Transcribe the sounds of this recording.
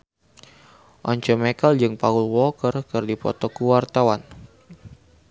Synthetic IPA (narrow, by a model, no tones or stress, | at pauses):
ʔɔɲt͡ʃɔmekəld͡ʒɨŋpaulwɔkərkɨrdipɔ̰t̪ɔkuwart̪awan